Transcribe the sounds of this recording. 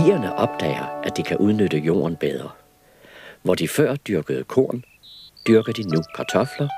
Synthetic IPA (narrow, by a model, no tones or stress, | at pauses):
ḭːɐnəʔɒ̽b̥̚d̥ɛ̰ːɪɐʔæd̥ikʰæʔuð̞ˠnød̥əjo̝̰ːɐnb̥eð̞ˠʁɐ | ʋɒd̥ifɶɐ̰d̥yɐɡ̥əð̞̩ˠkʰo̝̰ːɐn | d̥yɐɡ̥əd̥inukʰɑ̈t͡sʰɒ̽flɐ